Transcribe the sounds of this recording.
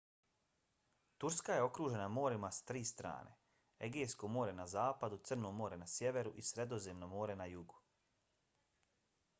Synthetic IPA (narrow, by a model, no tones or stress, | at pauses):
t̪uɾskaje̞o̞kɾuːʒe̞namo̞ːɾimasḁt̪ɾiːst̪ɾa̰ːnʔe̞̰ | eɡeːjsko̞mo̞ːɾe̞nazaːpad̪ut̪sɨr̩nomo̞ːɾenasje̞ʋe̞ɾuʔisɾe̞d̪o̞zemnomoːɾe̞najuɡu